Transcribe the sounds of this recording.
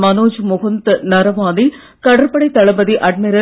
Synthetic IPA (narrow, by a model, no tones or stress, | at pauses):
mɐnoːd͡ʒmʊɣɐnt̪nɐɾɐʋaːd̪i | kɐɽɐɾpɐɽɐɪt̪ɐɭɐbɐðiʔɐɖ̚meɾɐ